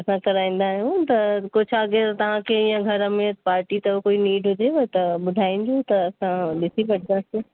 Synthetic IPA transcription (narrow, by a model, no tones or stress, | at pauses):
ɐsãkɐɾaːĩːn̆d̪aɦjũt̪ɐkʊt͡ʃʰaɡeɾt̪ɐʋ̤ãkʰeɪjãɡʱɐɾəmẽpaːɾʈit̪ɐokoːiniːɖɦʊd͡ʑeʋɐt̪ɐɓʊd̪ʱaːinɪ̆d͡ʑoːt̪ɐːsãɗɪsʰibɐɽ̚ʱɡase